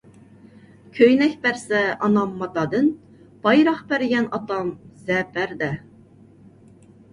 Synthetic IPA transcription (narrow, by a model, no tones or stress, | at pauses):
kʲʰøjnɛkʲbæɾsɛɑnɑmːɑt̪ɑd̪ɨn | b̥ɑjɾɑχbæɾɪɡʲɛnɑt̪ɑmzɛpʰæɾd̪ɛ